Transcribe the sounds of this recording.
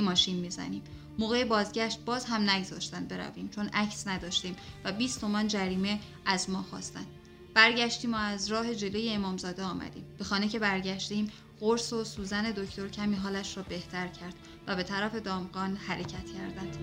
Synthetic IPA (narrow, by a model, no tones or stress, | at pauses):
mɒːʃinmiːzæ̰niːm | moːɣe̞jebɒːzɟæʃt̪̚bɒːzɦæmnæɡzɒ̰ːʃt̪ænd̪be̞ɾæ̰viːmt͡ʃʰo̞næcʰsnæd̪ɒːʃt̪iːmvæbiːst̪ʰo̞mɒːnd͡ʒæɾiːme̞ | æzmɒːxɒ̰ːst̪æ̰nd̪̥ | b̥æɾɟæʃt̪iːmoæzɾɒːɦe̞d͡ʒe̞lo̞je̞ːmɒːmzɒːd̪eɒːmæ̰d̪ḭːmb̥e̞xɒːne̞cʰe̞bæɾɟæʃt̪iːm | ɢoɾso̞suːzæne̞d̪o̞cʰt̪o̞ɾcʰæmiːɦɒːlæʃrɒːbe̞ht̪ʰæɾcʰæɾd̪̥ | væbe̞t̪ʰæɾæfe̞d̪ɒːmɡɒːnhæɾe̞cʰæt̪ʰcʰæɾd̪ænd̪̥